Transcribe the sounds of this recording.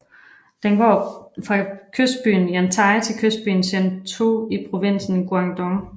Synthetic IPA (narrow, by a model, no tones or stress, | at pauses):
d̥enɡ̥ɒ̰ːfʁɑ̈kʰøsd̥̚b̥y̰ːn̩jænt͡sʰɑ̈ɪt͡sʰe̝lkʰøsd̥̚b̥y̰ːn̩sent͡sʰoipʰʁo̝ʋe̝n̰sn̩ɡ̥uɑŋd̥ɔŋ